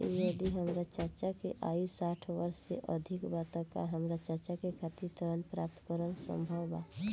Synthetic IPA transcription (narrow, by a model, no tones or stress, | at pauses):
jed̪iɦəmɾat͡ʃəɾt͡ʃakeʔa̰ːjusaːʈʰʋəɾsːḛʔəd̪ʱɪkbat̪ãka̰ɦəmɾat͡ʃəɾt͡ʃakekʰat̪iɾt̪əɾənpɾaːp̚t̪kəɾənsə̰̃mbʱəwba